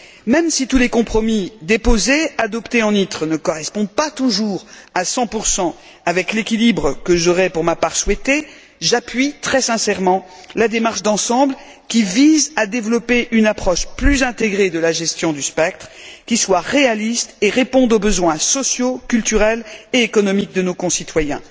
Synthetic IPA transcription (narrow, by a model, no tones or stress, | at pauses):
mɛmsit̪ulekɔ̃pχɔmid̪epozead̪ɔpt̪eɑ̃nit̪χənəkɔʁɛspɔ̃d̪̚pat̪uʒuʁasɑ̃puʁsɑ̃ | avɛklekʲilibʁəkəʒɔʁɛpuʁmapaʁswɛt̪e | ʒapɥit̪χɛsɛ̃sɛʁmɑ̃ | lad̪emaʁʃd̪ɑ̃sɑ̃bl | kʲivizad̪evlɔpeʔynapχɔʃplyzɛ̃t̪eɡʁed̪əlaʒɛst̪jɔ̃d̪yspɛk̚t̪χkʲiswaʁealist̪eʁepɔ̃d̪obəzwɛ̃sɔsjokʲylt̪yʁɛleekɔnɔmik̚d̪ənokɔ̃sit̪wajɛ̰̃